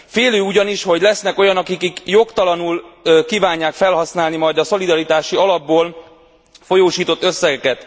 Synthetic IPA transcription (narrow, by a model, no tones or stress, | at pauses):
feːløːuɟɒniʃho̞ɟlɛsnɛko̞jɒnɒkikikjo̞kt̪ɒlɒnuːlkiːvaːɲːaːkfɛlɦɒsnaːlnimɒjd̪ɒso̞lid̪ɒɾit̪aːʃiɒlɒbːoːl | fo̞joːʃiːt̪o̞t̪ːø̞sːɛɡɛkɛt̪